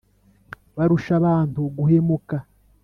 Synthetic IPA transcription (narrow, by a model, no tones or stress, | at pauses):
βaɾuʃaβaːntuɡuhe̞muka